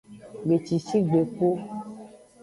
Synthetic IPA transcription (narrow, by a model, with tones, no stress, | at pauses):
ɡ͡be˨t͡ʃi˨si˦ɡ͡be˨ko˦